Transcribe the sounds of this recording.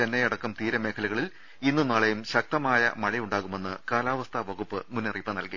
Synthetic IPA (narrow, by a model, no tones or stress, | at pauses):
ɐnːejɐɽɐkːɐmt̪iːɾɐme̞ːkʰɐluɣɐɭil | inːɨnaːɭejumɕɐk̚t̪ɐmaːjɐ̰mɐɻɐjuɳɖaːɣume̞nːɨkaːlaːʋɐst̪ʰɐʋɐɣupːɨmunːɐriːpːɐnɐlki